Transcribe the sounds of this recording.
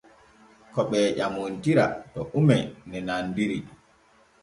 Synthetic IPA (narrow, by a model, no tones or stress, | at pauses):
kɔɓɛːʄamontiɾa̰tɔʔumɛnɛnandiɾi